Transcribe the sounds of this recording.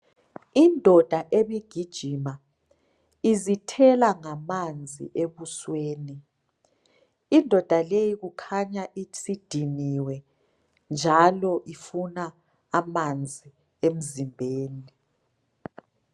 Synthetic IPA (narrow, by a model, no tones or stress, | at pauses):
indʱɔd̥ʱaʔeβiɡ̥ʱid̥ʒ̥ʱima | izitʰɛlaŋamand͡zʱḭʔeβusweːni | indʱɔd̥ʱalejiɣukʰaɲaʔisid̥ʱiniwɛ | nd͡ʒʱalɔʔifunaː | mand͡zʱi | em̩zimbʱeːni